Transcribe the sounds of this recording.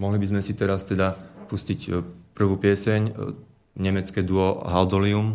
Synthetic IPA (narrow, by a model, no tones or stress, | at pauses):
mɔɦlibizmɛsit̪ɛɾast̪ɛd̪apuscicpr̩ʋuːpɪɛsɛɲ | ɲɛmɛt͡skɛd̪ʊɔɦald̪ɔlium